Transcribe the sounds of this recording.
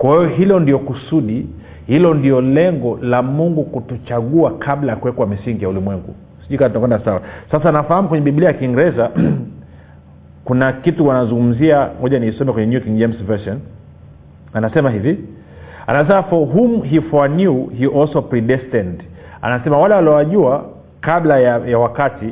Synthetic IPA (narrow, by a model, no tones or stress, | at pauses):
kwahɛjɔɦilɔndiɔkusuɗi | hilɔndiɔlɛŋɡɔlamuŋɡukutut͡ʃaɠuakʰaɓlajakuwɛkwamisiŋɡijaulimwɛŋɡṵ | siʄuɾikanatunakwɛndasawa̰sasaːnafahamukwɛɲɛɓiɓiliajakiŋɡɾɛza | kunakituwanazũŋɡum̩ziahɔʄanisɔmɛkwɛɲɛnjukiŋd͡ʒɛmsvɛsɔn | anasɛmaɦivi | a̰nas̬ɛmafɔɦumɦifwanuhiʔɔlsɔpɾiɗɛstɛnd | a̰nasɛmawalɛwaliɔwaʄua | kablajajawakati